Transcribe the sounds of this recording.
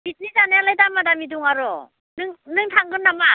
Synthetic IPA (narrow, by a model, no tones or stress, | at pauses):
bit̚nizanjalajdamadamiduŋaɾɔ | nɯŋnɯŋtʰaŋɡɯnːama